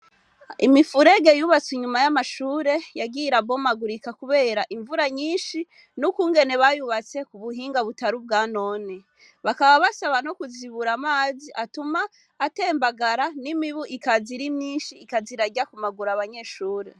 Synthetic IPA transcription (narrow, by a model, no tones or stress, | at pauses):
imifuɾe̞ɡe̞juβat͡siɲumajamaʃuːɾe̞jaɡiɾabo̞maɡuɾikakuβe̞ːɾaʔiɱvuɾaɲiːnʃi | nukuːŋɡe̞ne̞βajuβat͡se̞kuβuɦiːŋɡaβutaɾub̚ɡaːno̞ːni | βakaβaβasaβano̞kuziβuɾamaːziʔatumaː | teːmbaɡaɾanimiβuʔikaziɾimɲiːnʃiːkaziɾaɟakumaɡuɾaβaɲe̞ʃuːɾe̞